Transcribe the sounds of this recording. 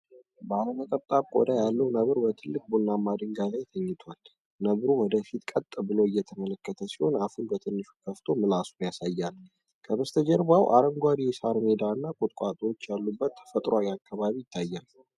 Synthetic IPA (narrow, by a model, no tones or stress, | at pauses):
bəaləmək̪ʼəβt̪ʼaβkʼo̰d̪ajalːəwnəβɾbət̪ʰɨlːɨk̚bunːamːad̪ɨŋɡazajt̪ʰəɲːɪt̪ʰwal | nəβɾuwɔd̪əfit̪kʼət̪ʼːbɨlo̞ɨjːɛt̪ʰəmələkːət̪ʰəsiho̞nafɨlbət̪ʰɨnːɨʃu̥kʰəft̪ʰo̞mɨlasunjasajːal | kʰəβəst̪ʰəd͡ʒəɾbawʔa̰ɾəŋɡʷad̪jɛsaɾmed̪aɨnːakʼʊt̪ʼkʼat̪ʼot͡ʃːjalːubːət̪ʰːə̥fət̪ʼɾawakːaβaβijɪt̪ʰːajːal